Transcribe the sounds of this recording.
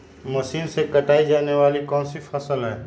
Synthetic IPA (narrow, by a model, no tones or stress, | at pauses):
mɐʃiːnsekɐʈaːid͡ʒaːneʋaːlikɔ̃ːnsifɐsəlɦɛ̃ː